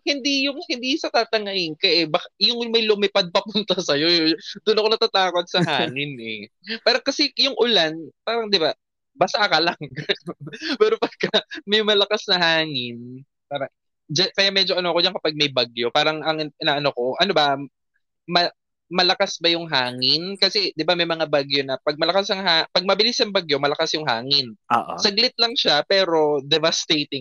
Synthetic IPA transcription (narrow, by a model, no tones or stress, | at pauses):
hɪnd̪ijʊŋhɪnd̪isɐt̪aːt̪ɐŋɐjɪŋkɐʔɛbɐkajʊŋmɐjlʊmɐpad̪̚pɐpʊnt̪ɐsɐjo̞d̪ʊnɐkonɐt̪at̪aːkot̪̚sɐɦaːŋɪnʔɛ | paːɾɐŋkɐsɛjʊŋʔʊlanpaːɾɐŋd̪ɪba | bɐsaːkɐlaŋ | pɛːɾopɐɡ̚kɐmɐjmɐlɐkasnɐɦaːŋɪn | paːɾɐŋ | d͡ʒakɐjamɛd͡ʒoʔɐnoɐkod͡ʒankɐpaɡ̚mɐjbɐɡjo̞paːɾɐŋɐŋɪʔɪnaʔɐnoko̞ʔɐnobɐ | mɐ | mɐlɐkasbɐjʊŋɦaːŋɪnkɐsɛd̪ɪbamɐjmɐŋabaɡjo̞nɐpɐɡ̚mɐlɐkasɐŋɦaːpɐɡ̚mɐbɪlɪsɐŋbaɡjo̞mɐlɐkasjʊŋɦaːŋɪno̰ːʔssɐɡlɪt̪̚lɐŋʃapɛːɾo̞d̪ɛvɐst̪ejt̪ɪŋ